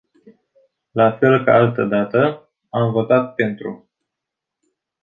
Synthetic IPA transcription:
lafe̞lka̰alt̪əd̪at̪ə | amvo̞t̪at̪̚pe̞nt̪ɾṵ

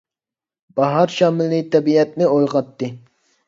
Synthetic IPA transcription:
b̥ɑɦɑɾʃɑːmɪlːit̪ʰɛbiɛt̪̚nɪojʁɑt̪ːɨ

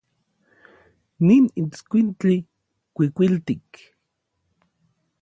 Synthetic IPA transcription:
ninit͡skʷint͡ɬi | kʷikʷilt̪ik

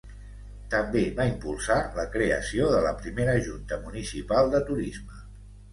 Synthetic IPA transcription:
t̪əmbeβaimpulˠsaləkɾeə̰sioðələpɾimeɾəʒunt̪əmunisipalˠd̪ət̪uɾizmə

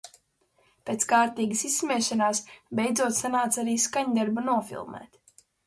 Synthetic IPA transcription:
pʲeːt̪skaːɾt̪iːɡəsisːmʲɛʃanaːsbʲejd̪zuɔt̪sanaːt̪saɾiːskaɲd̪aɾbunuɔfḭlˠmɛ̰ːt̪

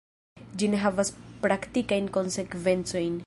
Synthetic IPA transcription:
d͡ʒineɦavaspɾakt̪ikajnko̞nse̞kve̞nt͡so̞jn

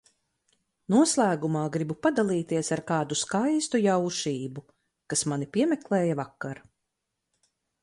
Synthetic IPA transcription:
nuɔslˠæːɡumaːɡɾibupad̪alˠiːt̪iɛsaɾkaːd̪uskajst̪ujawʃiːbu | kasmanipiɛmɛklˠɛːjavakːaɾ

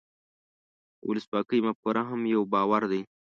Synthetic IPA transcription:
wʊ̰ləswɑːkəjmap̚kuɾaɦamjawbɑːwaɾd̪aj

